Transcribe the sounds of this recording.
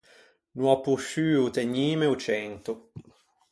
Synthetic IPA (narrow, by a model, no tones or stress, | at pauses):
nwɔpuʃyːut̪eɲːiːmeut͡ʃɛnt̪u